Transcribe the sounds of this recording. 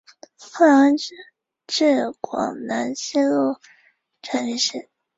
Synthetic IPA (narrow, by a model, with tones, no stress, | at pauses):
xa˥˩˧n˥ | ʈ͡ʂɻ̩˥˩kwɑ̰˨˩ŋna˧˥nɕi˥lu˥˩ | ʈ͡ʂʰə˧˥n˧ʂ̩˥˩